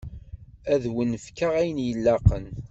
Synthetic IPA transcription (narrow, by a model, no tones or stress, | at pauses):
æðwənfkəʁæjənjəlːɑqən